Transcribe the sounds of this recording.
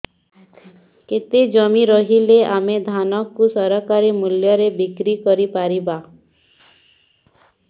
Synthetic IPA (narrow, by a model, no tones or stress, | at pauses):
ket̪ed͡ʒɔmiɾɔɦileamed̪ʱanɔkːusɔɾɔkaɾimuljɔɾebikɾikɔɾipaɾiba